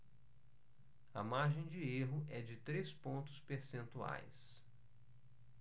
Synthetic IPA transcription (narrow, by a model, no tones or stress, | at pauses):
ɐmaɾʒẽj̃d͡ʒɪeɦʊɛd͡ʒɪt̪ɾespõnt̪ʊ̥speɾsẽnt̪ua̰js